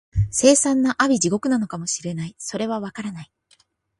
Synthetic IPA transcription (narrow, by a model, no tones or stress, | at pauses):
se̞ːsãnːaʔabʲiʑiɡo̞kɯ̟nano̞kamo̞ɕiɾe̞naiso̞ɾe̞β̞aβakaɾanai